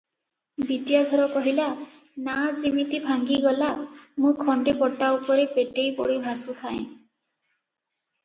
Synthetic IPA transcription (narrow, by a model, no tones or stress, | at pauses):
bit̪jad̪ʱɔɾɔkɔɦila | nad͡ʒimit̪ibʱaŋɡiɡɔlamũkʰɔɳɖepɔʈːaupɔɾepeʈejpɔ̰ɽibʱasut̪ʰaḛ̃